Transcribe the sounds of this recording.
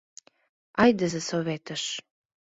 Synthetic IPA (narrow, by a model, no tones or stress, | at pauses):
ɑjd̪əzəsoβet̪əʃ